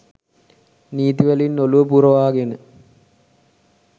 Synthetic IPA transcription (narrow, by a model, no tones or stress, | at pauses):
niːt̪iʋælinːoluʋəpuɾəʋaːɡenə